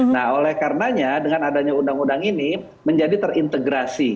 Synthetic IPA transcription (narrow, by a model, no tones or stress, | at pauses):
naɦolɛhkaɾənaɲadəŋanadaɲaundaŋundaŋini | məɲd͡ʒadit̪ərint̪əɡɾasi